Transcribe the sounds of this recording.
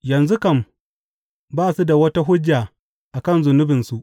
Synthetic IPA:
jɐ˨nzu˦kɐ˦˨m | baː˦su˦da˨wɐ˦ta˦ɦʊ˦d͡ʒːa˨ | ʔa˨kɐ˦˨nzʊ˨nʊ˦bɪ˨nsu˨ʔ

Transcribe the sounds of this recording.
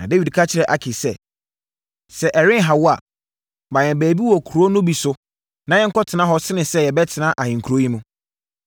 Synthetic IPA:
nã̰˨de˦wi˨dkʰa˦t͡ɕʰɪ˨ɾɛ˨ʔa˨kʰɪ˨sɛ˦˨ | sɛ˨ʔɛ˨ɾɪ̃˦ɦa˨wɔ˦a˨ | mã˨jɛ̃˨bæː˨bi˦wɔ˨kʰu˨ɾo˦nʊ̃˦bi˨sʊ˦ | nã˨˦jɛ˦ŋ̩˦kʰɔ˦tʰɪ˨nã˦ɦɔ˦sɪ˦nɪ̃˨sɛ˦jɛ˨bɛ˦tʰɪ˨nã˦ʔa˨hɪ̃˨ŋ̩˨kʰu˨ɾo˦ĩ˦mũ˦

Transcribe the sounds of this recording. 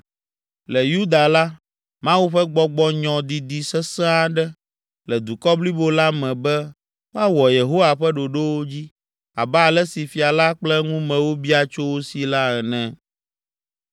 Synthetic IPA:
lɛ˨ju˦d̪a˨la˦ | mã˦wu˦ɸɛ˦ɡ͡bɔ˦ɡ͡bɔ˦ɲɔ̃˨d̪i˨d̪i˨sɛ˦sã˦a˦ɖɛ˦ | lɛ˨d̪u˨kɔ˦bli˦bo˦la˦mɛ̃˨bɛ˦ | wo˦a˦wɔ˨je˨ɦo˦wa˨ɸɛ˦ɖo˨ɖe˦wo˦d͡ʑi˦ | a̰˨bɛ˦a˨lɛ˦si˨fi˨a˨la˦k͡plɛ˦ŋũ˦mɛ̃˨wo˦bi˦a˨t͡ʃo˦wo˦si˨la˦ɛ˨nɛ̃˨

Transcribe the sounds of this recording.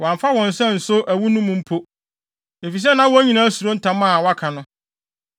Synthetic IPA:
wã˨ɱfa˦wɔ̃˨n̩˨sɛ̃˦n̩˨sʊ˦ʔæ˨wu˦nũ˦mʊ̃˨m̩˦pʰo˦ | e˨fi˨s̬ɛ˦nã˦wɔ˦ɲĩ˨nã˦æ˦su˨ɾo˦n̩˦tʰã˨mã˦˨wa˦kʰa˨nʊ̃˦

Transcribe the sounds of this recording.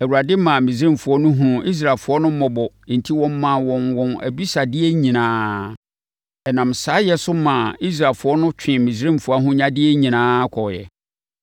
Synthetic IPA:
æ˨wu˨ɾa˨dɪ˦mã˨mĩ˨s̬ɾĩ˦mfʊ˨ɔ˦nʊ̃˦ɦũ˦i˦s̬ɾaː˨fʊ˨˦ɔ˦nʊ̃˦m̩˦mɔ̃˨bɔ̃˨n̩˨tʰi˦wɔ̃˦m˦mã˨wɔ̃˨nwɔ̃˨næ̰˨bi˦sa˨dɪ˦ɛ˦ɲĩ˨nãː˦ | ɛ˨nã˨msaː˨˦jɛ˦sʊ˦mã˨i˦s̬ɾa˨lfʊ˨ɔ˦nʊ̃˦t͡ɕᶣʰɪ̃˨mĩ˨sɾĩ˦mfʊ˨a˦ɦʊ̃˦ɲã˦dɪ˦ɛ˦ɲĩ˨nãː˦kʰɔ˨jɛ̰˨

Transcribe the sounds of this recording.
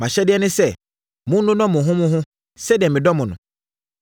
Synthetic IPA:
mã˨ɕɛ˦dɪ˦ɛ˦nɪ̃˦sɛ˦˨ | mʊ̃˦nʊ̃˦nɔ̃˦mʊ̃˨ɦʊ̃˦mʊ̃˦ɦʊ̃˦ | sɛ˦dɛ˨mɪ̃˨dɔ˦mʊ̃˨nʊ̃˨

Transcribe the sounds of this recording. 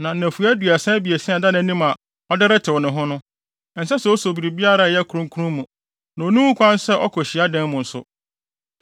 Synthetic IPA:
nã˨n̩˨æ̃˨fu˨æ˦du˨æ˨sɛ̃˦bi˨e˨sɛ̃˦a˨da˦ñ˨˦nĩ˦ma˨ | ɔ˦dɪ˦ɾɪ˦tʰɪ˨wɔ˨nʊ̃˨ɦʊ̃˦nʊ̃˦ | n̩˨sɛ˦sɛ˨ɔ˦so˨bi˨ɾi˨bi˦a˦ɾa˨jɛ˦kʰu˨ɾũ˦ŋkʰu˦ũ˦mũ˨ | nã˨o˨nũ˦ũ˦kʰʷã˦n˦sɛ˦ʔɔ̰˦kʰɔ˨ɕi˨a˦dɛ̃˦mmʊ̃˨n̩˨sʊ̰˨

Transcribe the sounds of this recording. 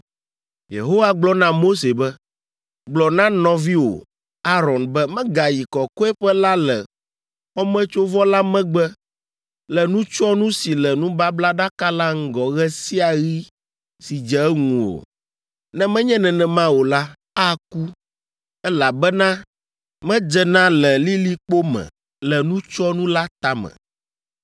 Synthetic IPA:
jḛ˨ɦo˦wa˦ɡ͡blɔ˦nã˦mo˦se˨bɛ˦ | ɡ͡blɔ˨nã˦nɔ̃˨vi˦wo̰˨ | a˦ɾɔ˨nbɛ˦mɛ̃˦ɡa˨ji˨kɔ˨kɔ˦ɛ˦ɸɛ˦la˦lɛ̰˨ | wɔ˦mɛ̃˦t͡ʃo˦vɔ˦la˦mɛ̃˦ɡ͡bɛ˦ | lɛ˨nũ˦t͡ʃɔ˦nũ˦si˨lɛ˨nũ˦ba˦bla˦ɖa˦ka˦la˦ŋ̩˦ɡɔ˨ɣɛ˦si˦a˨ɣi˦ | si˨d͡ʒɛ˨˦ŋũ˨o̰˨ | nɛ̃˦mɛ̃˦ɲɛ̃˦nɛ̃˨nɛ̃˨mã˦wo˨la˦ | a˦ku˦ | ɛ˦la˨bɛ˦nã˦ | mɛ̃˦d͡ʒɛ˨nã˦lɛ˨li˦li˦k͡po˦mɛ̰̃˨ | lɛ˨nũ˦t͡ʃɔ˦nũ˦la˦t̪a˦mɛ̰̃˨

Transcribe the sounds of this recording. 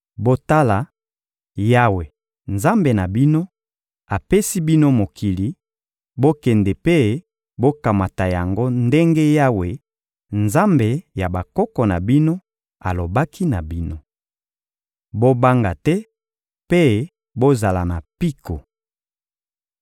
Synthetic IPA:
bo˦ta˦la˨ | ja˦we˨ | nza˦mbe˨na˨bi˦no˦ | a˨pe˦si˦bi˦no˦mo˨kʰi˨li˨ | bo˦kɛ˨ndɛ˨pe˦ | bo˦ka˨ma˨ta˨ja˨ŋɡo˦nde˦ŋɡe˦ja˦we˨ | nza˦mbe˨ja˨ba˨kɔ˦kɔ˨na˨bi˦no˦ | a̰˨lo˨ba˦ki˦na˨bi˦no˦ | bo˦ba˦ŋɡa˨tɛ˦ | pe˦ | bo˦za˨la˨na˨pi˦ko˨

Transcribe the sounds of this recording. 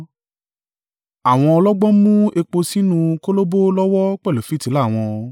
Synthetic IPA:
a˨w̃ɔ̃˧ɔ˧lɔ˦ɡ͡bɔ˦mũ˦e˧k͡po˧si˦nũ˧ko˦lo˦bo˦lɔ˦wɔ˦k͡pɛ˦˨lo˨fi˨˦ti˨˦la˦˨w̃ɔ̃˧

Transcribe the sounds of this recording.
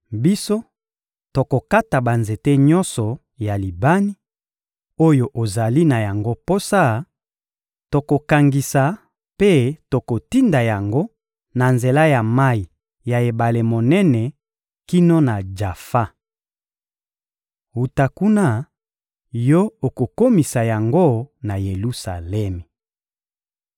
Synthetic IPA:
bi˦so˦ | to˨ko˨ka˦ta˨ba˨nze˨te˦ɲɔ˦nsɔ˨ | ja˨li˨ba˦ni˦ | o˦jo˨ʔo˨za˨li˦na˨ja˨ŋɡo˦po˦sa˦ | to˨ko˨ka˨ŋɡi˨sa˨ | pe˦to˨ko˨ti˦nda˨ja˨ŋɡo˦ | na˨nze˨la˦ja˨ma˦i˨ | ja˨e˨ba˨le˨mo˨nɛ˦nɛ˨ | ki˦no˦na˨d͡ʒa˨fa˦ | hu˨ta˨ku˦na˦˨ | jo˦o˨ko˨ko˦mi˨sa˨ja˨ŋɡo˦na˨je˨lu˦sa̰˨lɛ˦mɛ˨

